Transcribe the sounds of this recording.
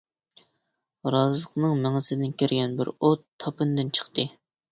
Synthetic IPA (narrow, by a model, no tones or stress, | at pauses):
ɾɑzəqnɨŋmæŋɪsɪd̪ɪnkʲeɾɡʲɛnbɪ̰ɾot̪ʰːɑpɨnd̪ɨnt͡ʃʰə̥χt̪ɨ